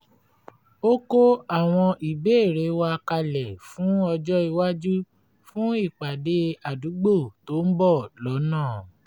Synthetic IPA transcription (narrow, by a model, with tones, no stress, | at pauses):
o˦ko˦a˦˨w̃ɔ̃˧ʔi˨be˦e˦˨ɾe˨˦wa˧ka˧lɛ˨fũ˨˦ɔ˧d͡ʒɔ˦i˧wa˦d͡ʒu˦ | fũ˦i˦˨k͡pa˨de˧˦a˨du˨˦ɡ͡bo˦˨to˦n̩˦bɔ˦˨lɔ˨˦nãː˦˨